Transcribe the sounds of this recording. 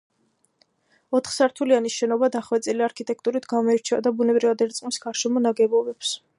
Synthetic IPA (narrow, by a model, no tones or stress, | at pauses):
ɔt̪ʰχsaɾt̪ʰulianisʃɛnɔbad̪aχwɛt̪sʼiliaɾkʰit̪ʼɛk̚ʰt̪ʼuɾit̪ʰɡamɔɛɾt͡ʃʰɛad̪abunɛbɾivad̪ɛɾt̪sʼqʼmisɡaɾʃɛmɔnaɡɛbɔbɛps